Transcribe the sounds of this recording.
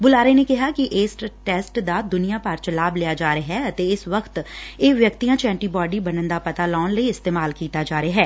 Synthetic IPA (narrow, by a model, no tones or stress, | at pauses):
bʊlaːɾeːneːkɪɦaːkɪʔeːsʈʈɛːsʈd̪aːd̪ʊnijaːpəɾt͡ʃəlaːblɪaːd͡ʒaːɾeɦɛːət̪eːɪsʋəkʰt̪eːʋjəkt̪iːãːt͡ʃɛ̃ːɳʈiːbɔːɖiːbənənd̪aːpət̪aːlɔːnləiːɪst̪eːmaːlkiːt̪aːd͡ʒaːɾeɦɛː